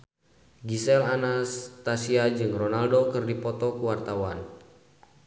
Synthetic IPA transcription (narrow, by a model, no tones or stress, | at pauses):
ɡisɛlanast̪asiad͡ʒɨŋrɔnaldokɨrdipɔt̪ɔkuwart̪awan